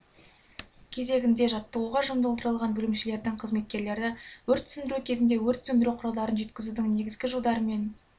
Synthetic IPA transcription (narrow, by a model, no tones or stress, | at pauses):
kʲʰe̞ze̞ɡʲɪnd̪e̞ʒɑt̪ːəuʁɑʒʊmd̪olˠd̪əɾəlˠʁɑnbɵlɪmʃɪle̞ɾd̪ɪŋqʰəzme̞t̪̚kʲe̞ɾle̞ɾd̪ɪwɵɾt̪ʰːʏsʏnd̪ɪɾukʲʰe̞zɪnd̪e̞wɵɾt̪ʰʏsɵnd̪ɪɾuqʰʊɾɑlˠd̪ɑɾənʒe̞t̪kʲɪzud̪ɪŋne̞ɡʲɪzɡʲɪʒolˠd̪ɑɾəme̞n